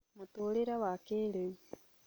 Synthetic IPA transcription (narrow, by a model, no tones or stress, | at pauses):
motoɾeɾawakeɾeu